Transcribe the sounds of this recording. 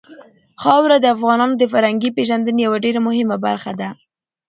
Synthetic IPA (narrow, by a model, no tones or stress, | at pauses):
xɑwɾad̪əafɣɑnɑnod̪əfaɾhaŋɡipeʒand̪ənjawaɖeɾamʊhɪmaba̰ɾxad̪a